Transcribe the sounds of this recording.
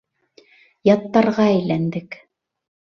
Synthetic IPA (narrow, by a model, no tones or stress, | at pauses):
jɑt̪ːɑɾʁɑæjlænd̪ɘk